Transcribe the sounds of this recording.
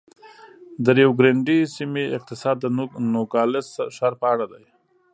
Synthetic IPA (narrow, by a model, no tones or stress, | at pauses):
d̪əɾjawɡɾeɳɖisimeɪq̚t̪ɪsɑd̪ːənoɡɑlɪsʃɑɾpəaɽad̪aj